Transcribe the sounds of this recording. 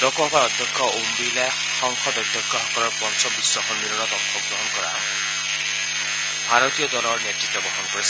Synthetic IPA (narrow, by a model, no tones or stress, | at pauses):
dɔkɔŋkɔɔd̪ʱjɔkʰːɔumbila | xɔŋkʰɔd̪ɔjd̪ʱjɔkʰːɔɦɔkɔɾɔɹpɔnsʰɔbisːɔkʰɔnbiɾunɔt̪ɔkxʰɔɡ̚ɡɹɔɦɔnkɔɹa̰ | bʱaɹɔt̪ijɔd̪ɔlɔɹnjetɹit̪ːɔbɔɦɔnkɔɹisʰ